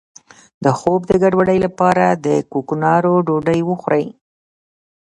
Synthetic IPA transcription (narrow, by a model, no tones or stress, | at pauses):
d̪əxobd̪əɡaɖwaɖəjlapɑɾad̪əkoknɑɾoɖoɖəjwəxɾəj